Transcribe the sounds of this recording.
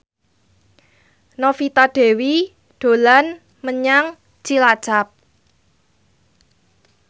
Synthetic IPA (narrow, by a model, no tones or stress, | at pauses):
nofit̪aɖ̥e̤wi | ɖ̥o̤lan | məɲaŋ̥ | t͡ʃilad̥ʒ̥ap̚